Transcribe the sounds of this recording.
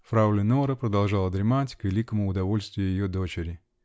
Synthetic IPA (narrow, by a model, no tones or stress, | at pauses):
fɾaʊlʲɪnoɾəpɾəd̪ɐlˠʐalˠəd̪ɾʲɪmatʲkvʲɪlʲikəmʊːd̪ɐvo̞lʲst̪vʲɪjʊjɪjod̪ot͡ɕɪɾʲɪ